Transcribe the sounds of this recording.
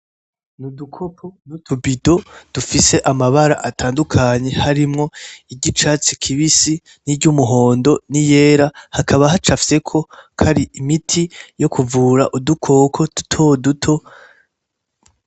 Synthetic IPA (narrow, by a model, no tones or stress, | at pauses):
nudukʰo̞pʰonutʰubido̞d̥ufise̞ʔamaβaɾaʔatʰaːndukʰaɲe̞haɾimŋo̞iɟit͡ʃat͡sikʰiβisi | niɾɟumuɦo̞ːndo̞nije̞ːɾahakʰaβahat͡ʃafise̞kʰo̞kʰaɾiimitʰijo̞kʰuvuːɾaʔudukʰo̞kʰo̞d̥utʰodutʰo̞